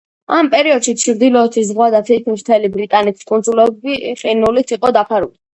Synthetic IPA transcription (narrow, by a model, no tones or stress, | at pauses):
ampʼɛɾiɔd̪ʃit̪t͡ʃʰɾd̪ilɔːt̪ʰizʁwad̪at̪ʰikʰmist̪ʰɛlibɾit̪ʼanɛt̪ʰi̥skʼund̪zulɛbiχʼinulit̪sʰiqʼɔd̪apʰaɾṵli